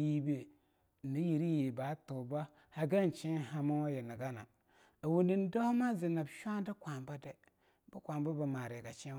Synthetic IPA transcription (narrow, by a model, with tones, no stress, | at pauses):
ji˦be˦˨ | ni˦ji˨ɾi˦ji˨ba˨˦tu˨ba˦ | ha˨ɡa˦n˨t͡ʃi˦ha˦ma˦wa˦jɛ˨na˨ɡa˦na̰˨ | a˨wu˨ndi˦n˦da˦hma˦zi˨na˨bʃa˦n˦də˦kʷa˨mba˦dɛ˨ | bə˦kʷa˨mba˦ba˨ma˨ɾe˨ɡa˨t͡ʃi˦